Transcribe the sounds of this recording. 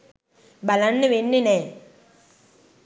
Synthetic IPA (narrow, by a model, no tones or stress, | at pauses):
bɐlɐnːɨʋenːine